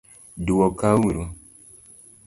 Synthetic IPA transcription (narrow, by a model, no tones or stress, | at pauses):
duwɔkawuɾo